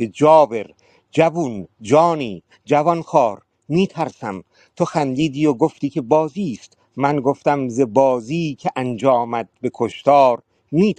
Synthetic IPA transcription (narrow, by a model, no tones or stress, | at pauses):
ed͡ʒɒːve̞ɾ | d͡ʒæbund͡ʒɒːniː | d͡ʒævɒnxɒːɾ | miːt̪ʰæɾsæm | t̪ʰoxænd̪iːd̪iːjoɡoft̪iːkʰe̞bɒːziːst̪ | mænɡoft̪æmzebɒːziːcʲʰeʔænd͡ʒɒːmæd̪̥̚be̞kʰoʃt̪ɒːɾ | miːt̪